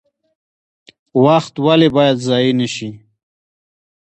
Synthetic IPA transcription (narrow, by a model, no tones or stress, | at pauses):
waxt̪walebɑjad̪zɑjinəʃi